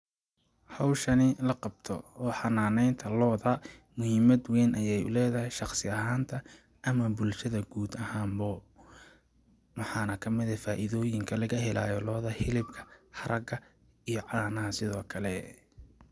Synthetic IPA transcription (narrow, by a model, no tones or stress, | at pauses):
hɑwʃɐnɪlɐqɑb̚t̪ʰɔ̰ɔːħɑnaːnɛjnt̪ʰɐlɔːðɐmʊhiːmɐd̪wɛːnʔɐjɛjʊ̰lɛːðɐhɛjʃɑχsɪɐɦaːnt̪ʰɐ | ʔɐmɐbʊlʃɐðɐɡuːd̪ɐhaːmbɔ | mɑħɑːnɐkʰɐmɪðɐfaːʔɪðɔːjɪŋkʰɐlɐɣɐɦɛla̰ːjɔlɔːðɐhɪlɪbkʰɐ̥ħɐɾʔɐɡɐ | ijɔʕɑːnɐɦɐsɪðɔːkʰɐlɛ